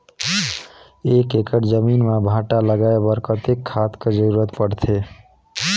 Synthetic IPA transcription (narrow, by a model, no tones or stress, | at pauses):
ekekəʈd͡ʒəminmebʱaʈaləɡaebəɾkət̪ekʰːat̪ked͡ʒəɾuɾət̪pəɽt̪ʰe